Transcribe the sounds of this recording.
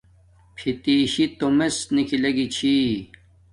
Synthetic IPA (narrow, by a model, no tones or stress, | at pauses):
pʰit̪iːɕit̪omesnikʰilɐɡit͡ɕʰi